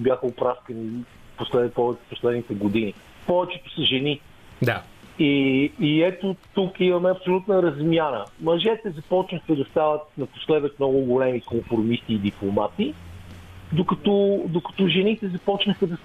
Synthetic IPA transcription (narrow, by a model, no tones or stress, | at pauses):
bʲjaxəopɾaskəni | poslɛpɔvɛt͡ʃɛ̥poslɛd̪nit̪ɛɡod̪ini | pɔvɛt͡ʃɛt̪o̥sɐʒɛni | d̪a | iː | ɛt̪ot̪ukimɐmɛɐpsolʲut̪nəɾɐzmjanəmɐʒɛt̪ɛzɐpɔt͡ʃnəxəd̪ɐst̪avət̪̚nɐpo̥slɛd̪vət̪mnɔɡʊɡolɛmikomfɾomist̪iːd̪iplˠomat̪i | d̪okɐt̪ɔd̪okɐ̥t̪ɔʒɛnit̪ɛzɐpɔt͡ʃnəxəd̪ɐs